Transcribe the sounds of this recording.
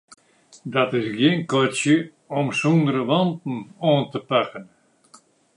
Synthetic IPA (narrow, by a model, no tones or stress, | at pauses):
dɔtɪsɡjɪnkɔsjə | ɔmsundəɾəʋɔntn̩oəntəpakən